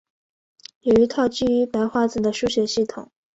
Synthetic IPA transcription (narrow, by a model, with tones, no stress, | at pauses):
jo˨˩y˧˥t̪ʰɑ˥˧ʊt͡ɕy˥˩y˧˥pa˧˥ɪxwa˥˩t͡sɹ̩˨˩d̪ə˦ʂu˥ɕɥɛ˧˥ɕi˥˩t̪ʰʊ̰˨˩˦ŋ